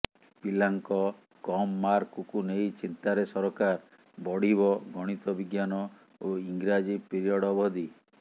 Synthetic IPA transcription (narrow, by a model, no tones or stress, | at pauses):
pilaŋkɔ | kɔmːaɾkukunejt͡ʃint̪aɾesɔɾɔkaɾ | bɔɽ̤iβɔɡʱɔɽ̃it̪ɔbiɡjanɔ | oiŋɡɾad͡ʒipiɾiɔɽɔbɔd̪i